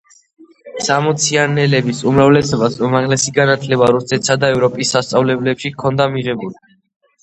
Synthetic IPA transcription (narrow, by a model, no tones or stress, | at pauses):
samɔt̪sʰianɛlɛbisumɾavlɛsɔbasumaʁlɛsiɡanat̪ʰlɛbaɾusɛt̪sad̪aɛvɾɔpʼisːast̪sʼavlɛblɛpʃikʰɔnd̪amiʁɛbuli